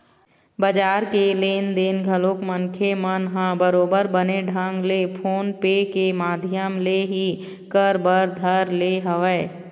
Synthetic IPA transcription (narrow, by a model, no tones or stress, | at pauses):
bəd͡ʒaːɾkelend̪eːnɡʱəlokmənkʰemənɦãbəɾoːbəɾbəneɖʱə̃ŋɡlepʰoːnpekemaːd̪ʱjəmleɦi | kəɾbəɾd̪ʱəɾleɦəʋɛː